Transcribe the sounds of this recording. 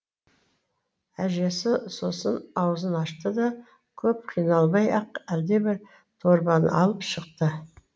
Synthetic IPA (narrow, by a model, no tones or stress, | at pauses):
æʒe̞sɪso̞sənɑwəzənɑʃt̪əd̪ɑ | kʲʰɵp̚qʰijnɑlˠbɑjɑqæld̪e̞bɪɾ | t̪ʰo̞ɾbɑnə̰ʔɑ̰lˠəpʃəq̚t̪ə